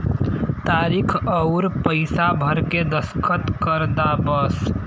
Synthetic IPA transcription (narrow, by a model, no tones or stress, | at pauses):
t̪aɾikʰəʊɾpəɪsabʱəɾked̪əskʰət̪kəɾd̪abəs